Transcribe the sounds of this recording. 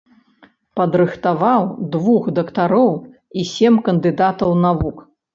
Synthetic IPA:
pɐd̪ɾɨxt̪avawd̪vuxd̪ɐkt̪aɾɔw | isʲemʲkɐnd̪ɨd̪at̪ɐwnavuk

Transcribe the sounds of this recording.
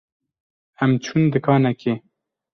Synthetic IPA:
ɛmt͡ʃʰund̪ɨkʰɑːnɛke

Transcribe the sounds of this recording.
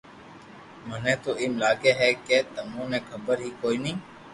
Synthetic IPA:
məneːt̪oːɪːmlaːɡeːɦɛːkeːt̪əmõːnẽːkʰəbəɾɦiːkoːiːnəĩː

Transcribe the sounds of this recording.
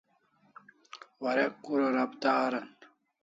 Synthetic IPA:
wɐɾekːuɾɐɾɐbd̪aːɾɐn

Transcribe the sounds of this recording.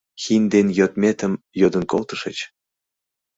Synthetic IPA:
xind̪enjøt̪mʲet̪əm | jod̪ə̆nkolt̪əʃə̆t͡ɕ

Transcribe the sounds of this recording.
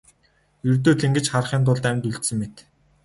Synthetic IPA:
jɵrt̪̬oːɮĕŋɡɘ̆t͡ɕχar̆χiːnt̪̬ʊɮt̪æmʲt̪uɮt̪sɘ̆ŋmet̪

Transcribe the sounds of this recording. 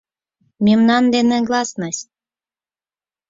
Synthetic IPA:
mʲimnɑnd̪enĕɡlˠɑsnɑsʲ

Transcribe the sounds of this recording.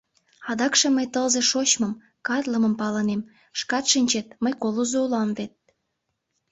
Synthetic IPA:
ɑd̪ɑkʃĕməjt̪əlze̽ʃot͡ɕmɤm | kɑt̪ləmə̆mpɑlənem | ʃkɑt̪ʃinʲt͡ɕet̪̚məjkolozoulɑmβet̪̚

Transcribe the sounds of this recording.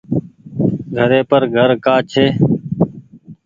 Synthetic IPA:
ɡʱəɾeːpəɾɡʱəɾkaːt͡ʃʰeː

